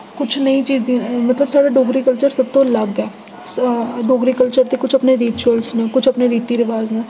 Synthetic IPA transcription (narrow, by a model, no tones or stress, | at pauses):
kʊt͡ʃʰnɐit͡ʃiːzd̪iːmɐt̪ləbsaːɽaːɖoːɡɾiːkəlt͡ʃəɾsɐb̚t̪õlɐɡɛː | ɖoːɡɾiːkəlt͡ʃəɾt̪ekʊt͡ʃʰɐpneɾiːt͡ʃuəlsnẽːkʊt͡ʃʰɐpneɾiːt̪iːɾɪʋaːznaː